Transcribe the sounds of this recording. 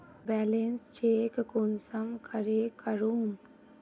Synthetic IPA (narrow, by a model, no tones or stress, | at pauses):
bɛːlenst͡ʃeːkkonsəmkʰəɾeːkəɾuːm